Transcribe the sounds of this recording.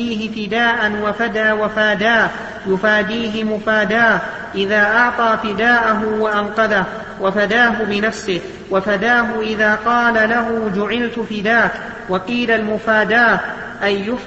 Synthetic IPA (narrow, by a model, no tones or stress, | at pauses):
iːhɪfɪd̪aːʔanwafad̪awafaːd̪aː | jʊfaːd̪iːɦɪmʊfaːd̪aː | ʔɪðaːʔɑʕt̪ˤɑːfɪd̪aːʔaɦʊwaʔanqɑðah | wafad̪aːɦʊbɪnafsɪh | wafad̪aːɦʊʔɪðaːqɑːlalaɦʊd͡ʒʊʕɪlt̪fɪd̪aːk̪ | wɑqiːlalmʊfaːd̪aː | ʔajːʊf